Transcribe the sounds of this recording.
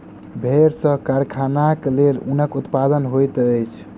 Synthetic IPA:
bʱeɾsə̃kaɾkʰanaklelṵnəkut̪pad̪ənɦojt̪əjt͡ʃʰ

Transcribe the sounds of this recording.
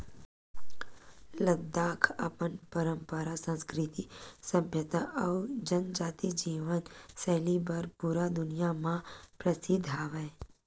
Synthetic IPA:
ləɡ̚d̪aːkʰɐ̰pənpəɾə̃mpəɾasə̃nskɾɪt̪isəbʱjət̪aɐʊd͡ʒənd͡ʒaːt̪id͡ʒiːʋənsɛːlibɐɾpuɾad̪ʊnijamãpɾəsɪd̪ʱaːʋɛ

